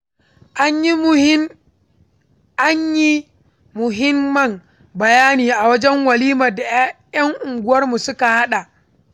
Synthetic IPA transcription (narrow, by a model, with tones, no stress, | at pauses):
ʔa˦ɲji˦ | ʔa˦ɲji˦ | mʊ˨ɦɪ˦mːɐ˨m | bɐ˨jaː˦niː˨ʔa˨wɐ˦d͡ʒɛ˦ŋwɐ˨liː˦ma˨da˨˦ | jɐ˦ŋʔʊ˨ŋɡʷʊ˦wɐ˦rmu˨sʊ˦ka˨ha˦ɗa˨